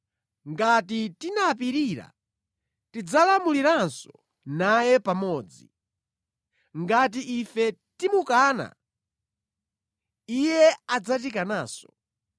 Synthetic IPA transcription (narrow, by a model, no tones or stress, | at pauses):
ŋɡatitinap̬iɾiːɾa̰ | tid͡zalamuliɾansɔ | najɛpamɔːd͡zi | ŋɡat̬iʔifɛtimukaːna̰ | ijɛad͡zatikanaːsɔ̥